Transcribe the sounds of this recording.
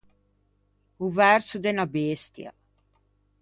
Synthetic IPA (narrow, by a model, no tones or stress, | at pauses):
uvɛrsud̪ɛnabest̪ja̰